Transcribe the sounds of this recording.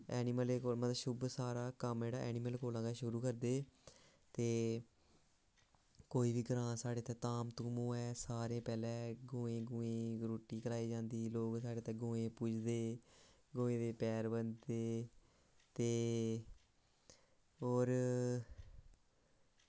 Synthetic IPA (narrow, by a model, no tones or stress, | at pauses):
ɛːnɪməleːkoːlməaʃʊbsaːɾaːkəmd͡ʒeːɽaːʔɛ̰ːniməlkoːlãːɡaʃʊɾuːkəɾd̪eː | t̪eː | koːiːʋiːɡəɾãːsaːɽeːt̪ɛːt̪aːmt̪ũːmõːɛːsaːɾẽːpɛːlɛ̃ːɡõːẽːɡʊ̃ːẽːɡɾuːʈiːkəɾaːiːd͡ʒãːnd̪iːloːɡsaːɖeːt̪ɛ̃ːɡõːẽːpud͡ʒd̪eː | ɡõːẽːd̪eːpɛːɾbəneː | t̪eː | oːɾ